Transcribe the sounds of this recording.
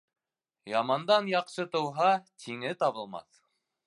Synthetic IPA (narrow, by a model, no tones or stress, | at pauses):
jɑmɑnd̪ɑnjɑqʃɤt̪ɤ̆wɦɑt̪ʰiŋɘt̪ɑβɤ̆lˠmɑ̰θ